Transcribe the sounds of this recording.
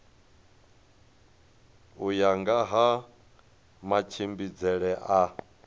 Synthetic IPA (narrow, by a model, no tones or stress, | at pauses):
ujaŋɡaɦa | mat͡ʃʰimbid͡zɛɺɛʔa